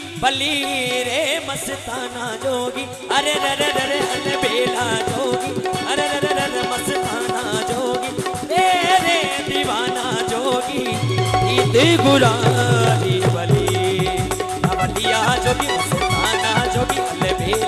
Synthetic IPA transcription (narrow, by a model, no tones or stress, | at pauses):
bɐliːɾeːmɐsɪt̪aːnaːd͡ʒoːɡi | ɐɾeɾeɾeɾɐɾeɐlebʱeːlaːd͡ʒoːɡiɐɾeeɾeɾeɾemɐsɪt̪aːnaːd͡ʒoːɡi | ɾeɾe | d̪iːʋaːnaːd͡ʒoːɡi | kiːt̪iɡʊlaːliːbɐli | ɐbɐt̪ijaːd͡ʒoːɡimɐsɪt̪aːnad͡ʒoːɡiɐlebeː